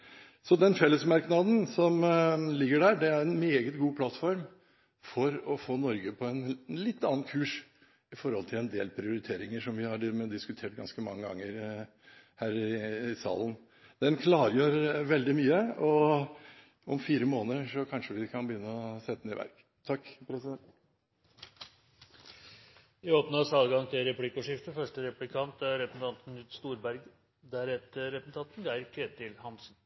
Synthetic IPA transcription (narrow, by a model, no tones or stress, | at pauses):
sɔd̪ɛnfɛlːəsmɑɾknɑd̪n̩sɔmlɪɡːəɖæːɾɖɛæɾɛnmeːɡət̪ɡuːpʰlɑt̪fɔɾm | fɔɾɔfoːnɔɾɡəpʰɔɛnlɪt̪ːɑnɑnkʰʉːʂ | ɪfɔɾhɔlt̪ʰɪlɛnd̪ḛːlpʰɾɪʊɾɪt̪ʰeːɾɪŋəʂɔmʋɪhɑɖmɛd̪ɪskʉt̪ʰeːʈ̚ɡɑ̰nskəmɑ̰ŋːəɡɑ̰ŋːəɾ | hæːɾɪɪsɑ̰ːlən | d̪̥ɛnkʰlɑːɾjøːɾʋɛld̪ɪmyːəɔ | ɔmfiːɾəmoːnəɾʂɔkʰɑnʂəʋɪkʰɑnbəjʏnːəɔsɛt̪ːəd̪n̩ɪʋæ̰ɾk | t̪ʰɑkːpʰɾɛsɪd̪ɛnt̪ | ɪoːpnəɑsɑːlɡɑŋt̪ʰɪlɾɛplɪkːɔʂɪft̪əfœʂʈəɾɛplɪkʰɑnt̪ɾɛpsn̩t̪ʰɑnt̪n̩ʉːt̪st̪uːɾbæɾɡ | d̪æɾɛt̪ːəɾɛsn̩t̪ʰɑt̪nɡæɪəɾkʰɾeːt̪ɪlhɑnsn̩